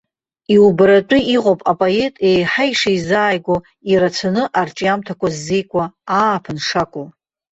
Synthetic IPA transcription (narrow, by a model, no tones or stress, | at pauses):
iubɾat͡ʃʼʊiqʼopʼapʼoe̞tʼejħajʂajzaːjɡʷo | iɾat͡sʰanɨʔart͡ʃʼijamtʰakʷʰazːejkʷʼaːpʰɨnʂakʷʼo